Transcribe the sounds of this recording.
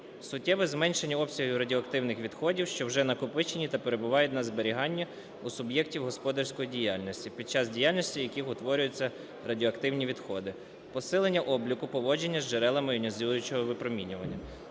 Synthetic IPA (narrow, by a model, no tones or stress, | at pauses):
sʊtʲːɛʋɪzmɛnʃe̞nʲːiɔpsʲɐɦiɾɐdʲiɔːkt̪ɪwnɪxʋʲid̪xɔdʲiwʃt͡ʃɔwʒɛnɐkʊpɪt͡ʃenʲit̪ɐpeɾe̞bʊʋɑjɛtʲnɐzbeɾʲiɦɑnʲːɐ | usʊbjɛktʲiwɦɔspɔd̪ɐrsʲkɔjidʲijɑlʲnɔsʲtʲipʲid̪̚t͡ʃɑzdʲijalʲnɔsʲtʲijɐkixʊt̪ʋɔɾʲʊjʊt͡sʲːɐ | rɐdʲiɔːkt̪ɪwnʲiʋʲid̪xɔd̪ɪ | pɔsɪlˠenʲːɐʔɔblʲikʊpɔʋɔd͡ʒe̞nʲːɐzd͡ʒeɾɛlˠɐmɪjʊnʲɔzʲilˠʊjʊt͡ʃɔɦɔʋɪpɾɔmʲinʲʊʋɐnʲːɐ